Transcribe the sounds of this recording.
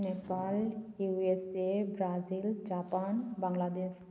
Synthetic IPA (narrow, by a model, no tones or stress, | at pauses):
nepaljuesebɾazild͡ʒapanbaŋlad̪es